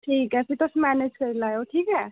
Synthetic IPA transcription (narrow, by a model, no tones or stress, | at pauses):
ʈʰiːkɦɛsit̪ɔsmæned͡ʒkəɾilajoʈʰiːkɦɛ